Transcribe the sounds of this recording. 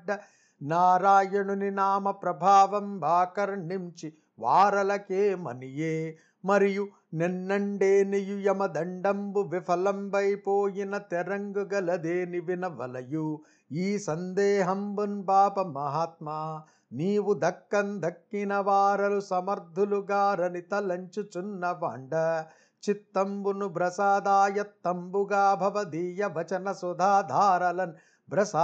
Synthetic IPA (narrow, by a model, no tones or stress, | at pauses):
ɖːɐ | naːɾaːjɐɳuninaːmɐpɾɐbʱaːʋɐmbʱaːkɐɾnimt͡ʃi | ʋaːɾɐlɐkeːmɐ̰nijeː | mɐɾiju | nɛnːɐɳɖeːnijujɐmɐd̪ɐɳɖɐmbuʋipʰɐlɐmbɐjpoːjinɐt̪ɛɾɐŋɡuɡɐlɐd̪eːniʋinɐʋɐ̰lɐju | iːsɐnd̪eːɦɐmbunpaːpɐmɐɦaːt̪maː | niːʋud̪ɐkːɐnd̪ʱɐkːinɐʋaːɾɐlusɐmɐɾd̪ʱuluɡaːɾɐnit̪ɐlɐɲt͡ʃut͡ʃunːɐʋa̰ːɳɖɐ | t͡ʃit̪ːɐmbunubɾɐsaːd̪aːjɐt̪ːɐmbuɡaːbʱɐʋɐd̪iːjɐʋɐt͡ʃɐnɐsɔd̪ʱaːd̪ʱaːɾɐlɐn | bɾɐsaː